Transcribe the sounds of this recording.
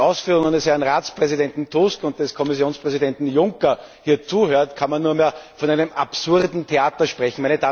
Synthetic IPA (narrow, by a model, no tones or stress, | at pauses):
ʔɑʊsfyːʁʊŋanəshɛɐnʁaːt͡spʁ̥ɛzidɛntn̩tʰuskʊnt̚d̥ɛskʰɔmɪsjoːnspʁɛzidɛntn̩jʊŋkɐ | hiːɐt͡suːhøːɐtkʰanmanːuːɐmeːɐfɔnæɪnəmʔapsʊʁdn̩tʰeaːtɐʃpʁɛçn̩mæɛɪnəd̥aː